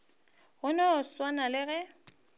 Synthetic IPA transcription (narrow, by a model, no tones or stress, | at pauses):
ɣʊnɔswanalɪɣɛ